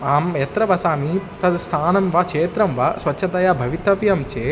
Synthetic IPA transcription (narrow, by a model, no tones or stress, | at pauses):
aːmjɛt̪ɾɐʋɐsaːmit̪ɐd̪st̪ʰaːnɐmʋɐkʂeːt̪ɾɐmʋasʋɐtːʃʰɐt̪ɐjabʱɐʋit̪ɐʋjɐmt͡ʃeː